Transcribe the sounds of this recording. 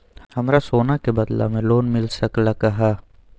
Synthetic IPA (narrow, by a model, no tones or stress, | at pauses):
hɐmɾasoːnakebɐd̪la̰mẽloːnmɪlsɐklakaɦa